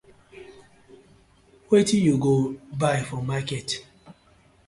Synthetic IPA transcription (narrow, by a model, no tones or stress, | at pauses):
wetijuɡobaɪfɔmakɛt